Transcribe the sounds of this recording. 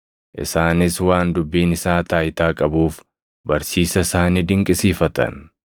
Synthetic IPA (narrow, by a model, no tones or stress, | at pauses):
ʔɪ̰saːnɪswaːnd̪ʊbːiːnɪsaːt̪aːjt̪aːkʼɐbuːf | bɐɾsiːsɐsaːniːd̪ɪŋkʼɪsiːfɐt̪ɐ̰n